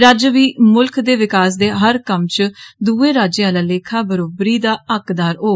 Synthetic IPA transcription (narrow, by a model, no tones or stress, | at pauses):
ɾaːd͡ʒəʋiːmʊlkʰd̪eːʋɪkaːs̬d̪eːɦəɾkəmt͡ʃd̪uːeːɾaːd͡ʒeaːlaːleːkʰaːbəɾoːbɾiːd̪aːəkd̪aːɾoː